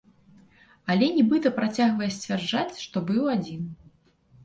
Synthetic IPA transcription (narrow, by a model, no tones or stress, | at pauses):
ɐlʲɛnʲibɨt̪ɐpɾat͡sʲaɣvɐjɛsʲt͡sʲvʲard͡ʐat͡sʲʂt̪ɔbɨwad͡zʲin